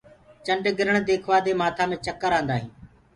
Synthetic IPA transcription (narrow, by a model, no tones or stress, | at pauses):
t͡ʃəɳɖɡɪɾəɳd̪eːkʰʋaːd̪eːmaːt̪ʰaːmẽːt͡ʃəkːəɾãːnd̪aːɦĩː